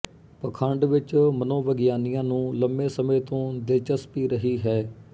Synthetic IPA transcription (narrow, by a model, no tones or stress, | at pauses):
pəkʰəɳɖʋɪt͡ʃmənõːʋəɡɪjaːnijãːnũːləmbẽːsəmẽːt̪õːd̪eːt͡ʃəspiːɾəɦiːɦɛː